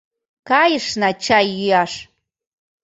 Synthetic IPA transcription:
kajʂnat͡ʃajyjaʂ

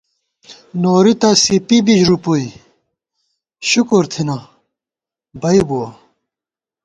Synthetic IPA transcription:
noːɾit̪asipibid͡ʑɾupoi | ɕukuɾt̪ʰina | bɐibuwɐ

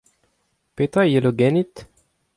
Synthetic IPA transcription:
pet̪ajeloɡɛnit̪

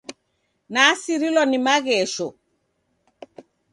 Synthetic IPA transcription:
nasiɾilɔnimaɣɛːʃɔ

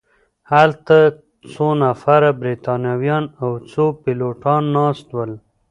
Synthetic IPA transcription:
halt̪a | t͡sonafaɾabɾit̪ɑnjɑwjɑnawt͡sopɪloʈɑnːɑst̪wəl

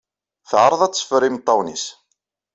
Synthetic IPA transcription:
θʕɾˤəðˤæt͡sːə̥fəɾimt̪ˤːɑwnis

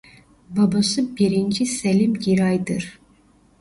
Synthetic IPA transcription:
babasɯbiɾind͡ʒiselʲimɟiɾajd̪ɯɾ̥

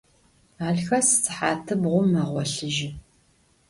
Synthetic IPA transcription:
aːɮxɐsɨ̥t͡sɨ̥ħaːtʰɨbʁʷʊmːɐʁʷɔɬɨʒɪ

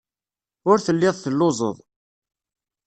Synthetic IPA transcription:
ʊɾθəlːɪðˤθəlːʊzˤə̰ðˤ

